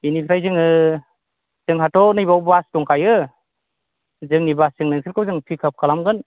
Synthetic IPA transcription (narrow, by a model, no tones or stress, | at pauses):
inipʰiɾajzɯŋɯ | zɯŋɦatʰɔnɯjbawbastɔŋkʰajɯ | zɯŋnibaszɯŋnɯŋsʰɯɾkʰɯwzɯŋpʰikʰap̚kʰalamɡɯn